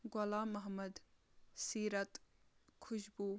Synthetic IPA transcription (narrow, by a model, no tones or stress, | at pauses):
ɡolaːmɐɦmɐd̪ | siːɾɐt̪ | kʰʊʃbuː